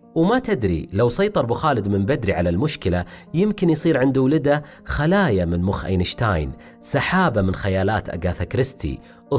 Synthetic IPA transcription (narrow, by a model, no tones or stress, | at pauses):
wmat̪ɪd̪ɾḭlawsˤɑjt̪ˤɑɾˤbʊxaːlɪd̪mɪmbad̪ɾiʕalalmʊʃkɪlajɪmkɪnjsˤiːɾʕɪnd̪uwlɪd̪a | xalaːjamɪnmʊxʔa̰jnɪʃt̪aːjn | saħaːbamɪnxajaːlaːt̪ʔa̰ɡaθakɾɪst̪ʰḭ | ʔ